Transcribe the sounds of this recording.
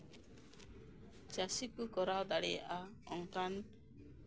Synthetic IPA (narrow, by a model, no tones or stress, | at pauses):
t͡ʃasikukɔɾawd̪aɽɛja̰ʔaɔŋkan